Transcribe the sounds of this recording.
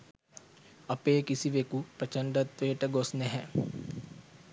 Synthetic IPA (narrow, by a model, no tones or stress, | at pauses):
apeːkisiʋekupɾət͡ʃəɳɖat̪ʋeːʈəɡosnɛɦɛ